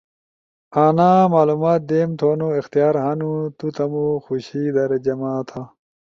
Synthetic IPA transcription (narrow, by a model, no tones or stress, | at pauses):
aːnaːmaːlumaːt̪̚d̪eːmt̪ʰoːnoixt̪ijaːɾɦanut̪ut̪ɐmuxuɕiːd̪ɐɾed͡ʑɐmaːt̪ʰa